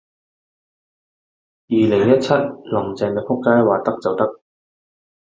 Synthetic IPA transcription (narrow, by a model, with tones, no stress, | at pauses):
jiː˨lɪ˨˩ŋjɐ˥t̚t͡sʰɐ˥t̚lɐ˨˩ŋt͡sɛː˨˧ŋɛ˧fʰʊ˥kːaː˥jwaː˨t̪ɐ˥k̚t͡sɐ˨wt̪ɐ˥k̚